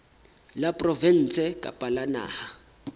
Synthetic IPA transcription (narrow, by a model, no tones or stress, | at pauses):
lapʼrɔvɛn̩ːt͡sʰɛkʼa̰pʼalana̰ːha